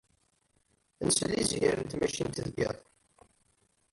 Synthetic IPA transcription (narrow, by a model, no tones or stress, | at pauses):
nslːizjæɾənt̪mæʃint̪ðɡḛðˤ